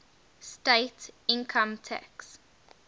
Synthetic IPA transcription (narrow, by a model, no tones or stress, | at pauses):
steɪtɪ̃nkʰə̃mtʰɛ̰ks